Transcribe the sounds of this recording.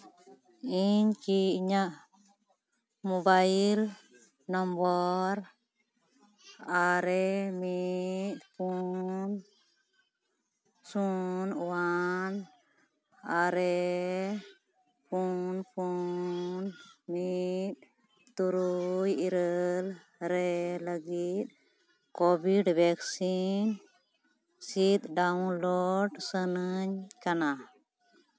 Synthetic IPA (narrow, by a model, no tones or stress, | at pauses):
int͡ʃiɲaʔ | mɔbail | nɔmbɔr | aɾɛmit̪pun | sunuwan | aɾɛ | pʰunpʰu | nmit̪̚ | t̪uɾujiɾəl | ɾɛləɡit̪̚ˀ | kɔbiɖbʱɛksin | sit̪ɖawnlɔɖsənəɲkana